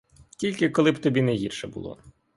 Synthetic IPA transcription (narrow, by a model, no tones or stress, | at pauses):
tʲilʲkɪkɔlˠɪbt̪ɔbʲinɛɦʲirʃɛbṵlˠɔ̰